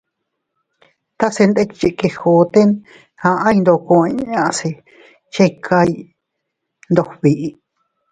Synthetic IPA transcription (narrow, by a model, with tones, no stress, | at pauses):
t̪a˦se˧nd̪e˦t͡ʃi˧ʔke˧ho˨t̪e˦n | hã˧ã˦jnd̪o˧kõ˧e˧˦ɲã˧ʔse˧ | t͡ʃẽ˦˧kʰa˧i˧ | nd̪o˧βi˧ʔi˧